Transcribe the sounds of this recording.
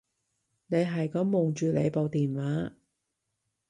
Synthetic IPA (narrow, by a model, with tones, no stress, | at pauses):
ne˨˧jɦɐ˨jkɔː˨˥ŋmʊ˨˩ŋt͡ʃyː˨˩le˨˧jpo˨˧wt̪iː˨nwaː˨˥